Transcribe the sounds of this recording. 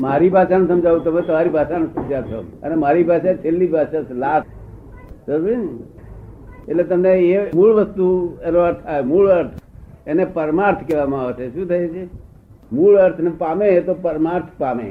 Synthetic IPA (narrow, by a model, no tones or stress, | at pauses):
maːɾibʱaːʃanũsəmd͡ʒʱaːũt̪əmẽt̪omaːɾibʱaːʃanũsɐmd͡ʒat̪ʰo̰mə̰nemaːɾibʱaːʃat͡ʃʰelːibʱaːʃasʰlaːs | səɾʋin | elet̪əmneemuːɭʋəst̪uenoəɾt̪ʰaemuːɭəɾt̪ʰ | enepəɾmaːɾt̪ʰkeʋamãaʋt͡ʃ̪ʰeʃũt̪ʰəet͡ʃʰe | muːɭəɾt̪ʰnepaːmẽet̪opəɾmaːɾt̪ʰpaːmḛ